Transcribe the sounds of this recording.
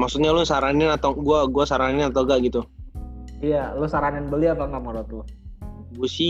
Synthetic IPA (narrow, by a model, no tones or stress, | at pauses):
maksut̪̚ɲalʊsaɾanɪnat̪aɡuaɡuasaɾanɪnat̪aɡaʔɡit̪u | ijalʊsaɾanɪnbəliat̪aŋamaɾɔt̪̚lʊ | ɡuasi